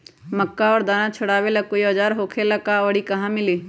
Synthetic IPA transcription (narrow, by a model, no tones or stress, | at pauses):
məkːaɔːɾd̪aːnãt͡ʃʰʊɽaːʋelɐkːoiɔd͡ʒaːɾɦoːkʰeləkaoːɽikɐɦãmɪliː